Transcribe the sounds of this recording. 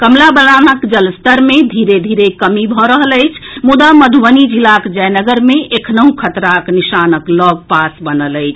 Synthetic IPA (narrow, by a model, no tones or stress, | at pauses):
kəmlabəlanəkd͡ʒəlst̪əɾmed̪ʱiɾed̪ʱiɾekəmibʱɔɾəɦələɪt͡ʃʰmud̪aməd̪ʱuʋənid͡ʒilakd͡ʒəjnəɡəɾmeʔekʰnəɦũkʰət̪ɾaknisanəklɔɡ̚pasbənələɪt͡ʃʰ